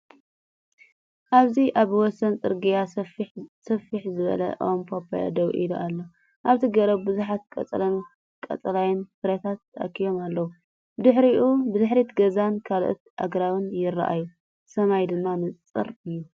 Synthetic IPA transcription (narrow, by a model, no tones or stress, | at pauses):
ʔaβziʔaβwɔsɐnt͡sʼɨɾɡija | sɐfiħzɨβɐ̰lɐ̰ʔompʰopʰa̰ja̰d̪owʔḭluʔalːo | ʔaβt̪ʰiɡɐɾɐbbɨzuħat̪̚kʼɐ̰t͡sʼlɐ | kʼɐ̰t͡s̪ʼɐlajɪnfɨɾɐt̪ʰat̪ːɐʔɐ̰kʰːijo̞malːɐwu | bɨd̪ɨħɾiʔubɨd̪ɨħɾit̪ɡɐzankʰalʔot̪ʔa̰ɡɾawɨnjɪrːa̰ʔa̰ju | sɐmajd̪ɨmːanɨt͡sʼɨ̰ɾɨjːu